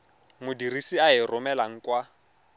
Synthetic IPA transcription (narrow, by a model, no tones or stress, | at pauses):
mʊdirisiaɦɪrʊmɛlaŋ̩kwa